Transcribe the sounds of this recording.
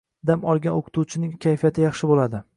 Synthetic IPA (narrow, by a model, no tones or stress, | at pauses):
d̪amɒlˠɡʲanoqʰʊ̥t̪ʰuwt͡ʃʰɪnɪŋkʲʰajfijat̪ʰɪjɑχʃɪbolad̪ɪ